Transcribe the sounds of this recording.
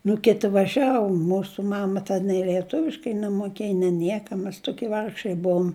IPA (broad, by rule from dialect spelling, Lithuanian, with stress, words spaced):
nʊ ˈkʲɪtʲɪ ʋɐˈʒʲæːʋʊ ˈmuːsʊ ˈmɑːmɐ tʲɛn nʲɛɪ lʲiɛˈtʊʋʲɪʃkɐɪ nʲɛmʊˈkʲeːj nʲɛ ˈnʲiɛkɐ mʲɛs ˈtʊkʲiɛ ˈʋɐrkʃɐɪ ˈbʊʊm